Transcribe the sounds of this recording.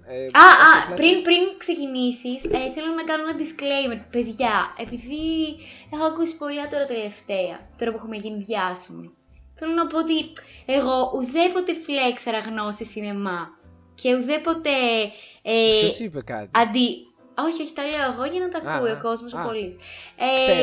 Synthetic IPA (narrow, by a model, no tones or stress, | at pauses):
ɐɐpɾinpɾinkse̞cinisiseθe̞lonɐkɐnonɐd̪isklejmeɾpe̞ðʝɐe̞piðie̞xoɐkusi̥po̞lɐt̪o̞ɾɐt̪ele̞ft̪e̞ɐ̰t̪o̞ɾɐpuexumeʝiniðʝɐsimḭ | θe̞lo̞nɐpo̞ot̪ieɣo̞ʔuðe̞pot̪e̞flekseɾɐɣno̞sisine̞mɐ | cʰe̞uðepo̞t̪e̞ | epekɐt̪ɐnd̪i | o̞çio̞çi̥t̪ɐle̞oeɣoʝɐnɐt̪ɐkuioko̞zmos̬opolise